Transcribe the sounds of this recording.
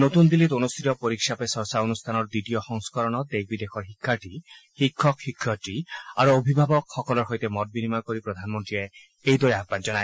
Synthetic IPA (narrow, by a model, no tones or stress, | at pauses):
not̪und̪ilit̪onust̪ʰit̪ɔpoɾikʃapesɔɹsaonust̪ʰanɔɹd̪itijɔxɔŋskɔɾɔnɔd̪ek̚ʰbid̪exɔɹɦikʰːaɹʈi | hikʰːɔkhikʰːɔʈia̰ɹuobʱibʱabɔkxɔkɔlɔɹɦojt̪emɔt̪̚binimakoɾipɾɔd̪ʱanmont̪ɹie | ejd̪ɔɾiaɡ̚band͡ʒɔnae